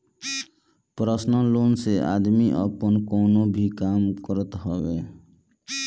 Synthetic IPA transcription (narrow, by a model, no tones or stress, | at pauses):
pɾʌsnɔlonseʔa̰d̪miʔʌpɔnkownobʱikamkɔɾɔt̪ɦɔbe